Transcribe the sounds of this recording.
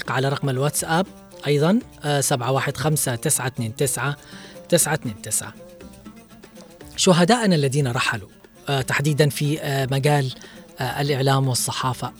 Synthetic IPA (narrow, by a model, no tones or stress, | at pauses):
qʕalaɾˤɑqmalwat̪sʔab̚ | ʔɑjðˤɑn | sabʕawaːħɪd̪xamsat̪ɪsʕat̪neːnt̪ɪsʕat̪ɪsʕat̪neːnt̪ɪsʕa̰ | ʃʊɦad̪aːʔnalːaðiːnaɾˤɑħalu | t̪aħd̪iːd̪anfimaɡaːlʔa̰lʔɪʕlaːmwɨsˤːɑħɑːfa